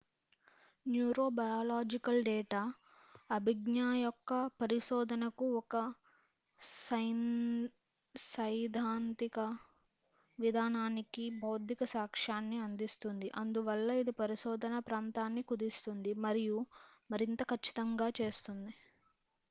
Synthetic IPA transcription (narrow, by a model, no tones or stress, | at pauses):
njuːɾo̞ːbɐjaːlaːd͡ʒikɐlɖɛːʈaː | ɐbʱiɡnaːjɔkːɐpɐɾiʃɔːd̪ʱɐnɐkuɔkɐ | sɐjn | sɐjd̪ʱaːnt̪ikɐ | ʋid̪ʱaːnaːnikibʱɐwd̪ʱikɐsaːkʂaːnːiɐnd̪ist̪und̪iʔɐnd̪uʋɐlːɐid̪ipɐɾiʃɔːd̪ʱɐnɐpɾaːnt̪aːnːikud̪ist̪und̪imɐɾijumɐɾint̪ɐkʰɐt͡ʃːi̥t̪ɐŋɡaːt͡ʃe̞ːst̪und̪i